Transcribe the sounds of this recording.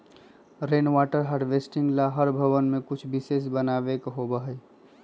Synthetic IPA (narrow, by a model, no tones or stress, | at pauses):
ɾenwaʈəɾɦaɾɖʋesʈĩŋɡlaɦəɾbʱəʋənmẽkʊt͡ʃʰbises̬bənabekɦobəɦə